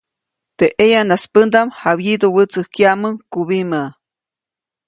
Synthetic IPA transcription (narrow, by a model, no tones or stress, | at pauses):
t̪eʔejanaspənd̪amhaβjid̪owət͡səhkjaməŋkuβimə